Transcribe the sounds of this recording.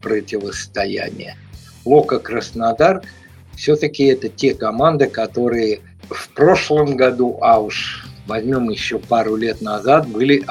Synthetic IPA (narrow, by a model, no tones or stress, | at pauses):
pɾətʲɪvəst̪ɐjæ̰nʲɪ̰jə | lˠokəkɾəsnɐd̪ark | fsʲɵt̪əkʲɪɛt̪ətʲekɐmand̪ɨkɐt̪o̞ɾɨjə | fpɾo̞ʂlˠəmɡɐd̪uʔaʊʂvɐzʲmʲo̞mjɪɕːopaɾʊlʲe̞t̪nɐzat̪̚bɨlʲɪ